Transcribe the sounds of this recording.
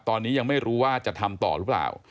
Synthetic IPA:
t̪ɔː˧nːiː˦˥ja˧ŋma˥˩jɾuː˦˥waː˥˩t͡ɕa˨˩t̪ʰa˧mt̪ɔ̰ː˨˩ɾɯ˦˥pla̰ː˨˩w

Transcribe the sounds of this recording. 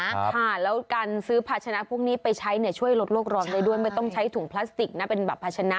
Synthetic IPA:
kʰa˥˩lɛː˦˥wkaː˧nsɯː˦˥pʰaː˦˩t̚t͡ɕʰa˧na˦˥pʰu˥˩ək̚niː˦˥pa˧jt͡ɕʰa˦˥jni˥˩ɐt͡ɕʰu˥˩əjlo˦˥t̪̚loː˥˩k̚ɾɔː˧npa˧jdu˥˩əjma˥˩jt̪ɔ˥˩ŋt͡ɕʰa˦˥jt̪ʰu˨˩˦ŋpʰlaː˦˥st̪i˨˩k̚na˦˥˩pe˧nbɛː˨˩pʰːa˧˥t͡ɕʰa˧na˦˥

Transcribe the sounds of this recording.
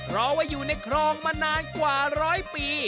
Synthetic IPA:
ɾɔː˧˩waː˧˩juː˨˩na˧jkʰɾɔː˧ŋmaː˧naː˧nkwaː˨˩ɾɔː˦˥jpiː˨˧

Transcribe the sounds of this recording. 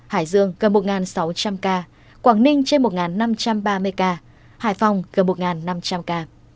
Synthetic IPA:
haː˧˩jzɨ˧əŋɣə˨˩nmo˨˩t̚ŋaː˨˩nsa˨˦wt͡ɕa˧mkaː˧ | kwaː˧˩ŋnï˧ŋ̟t͡ɕe˧nmo˨˩t̚ŋaː˨˩nːa˧mt͡ɕa˧mɓaː˧mɨ˧əjkaː˧ | haː˧˩jfa˨˩wŋ͡mɣə˨˩nmo˨˩t̚ŋaː˨˩nːa˧mt͡ɕa˧mkaː˧

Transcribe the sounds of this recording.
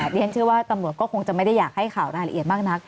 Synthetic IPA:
i˥˩˥nt͡ɕʰɯ˥˩waː˥˩t̪a˧mɾu˨˩ət̪̚kɔː˥˩ko˧ŋt͡ɕa˨˩ma˥˩jda˥˩jaː˨˩k̚ha˥˩jkʰaː˨˩wɾaː˧jla˧ʔi˨˩ət̪̚maː˥˩k̚na˦˥k̚

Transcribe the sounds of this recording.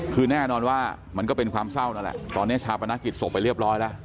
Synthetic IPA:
kʰɯː˧nɛː˥˩nɔː˧nwaː˥˩ | ma˧nkɔː˥˩pe˧nkʰwaː˧msa˥˩wna˦˥nlɛ̰˨˩t̪ɔː˧nːi˦˥ɐ˩t͡ɕʰaː˧wpʰa˧naː˦˥ki˨˩t̪̚so˨˩pːa˧jɾi˥˩əp̚ɾɔː˦˥jlɛ˦˥ʔ

